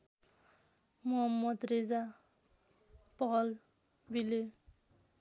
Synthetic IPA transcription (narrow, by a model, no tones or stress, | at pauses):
muɦʌmːʌd̪red͡za | pʌɦʌl | bile